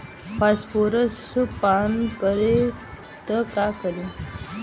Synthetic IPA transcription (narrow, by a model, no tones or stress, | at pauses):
faspoɾəspankəɾe | t̪əkakəɾe